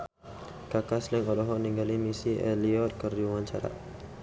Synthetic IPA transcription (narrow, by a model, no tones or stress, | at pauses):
kakaslɛŋɔlɔɦɔʔniŋɡalimisiʔɛliɔt̪̚kərduwaɲt͡ʃaɾa̰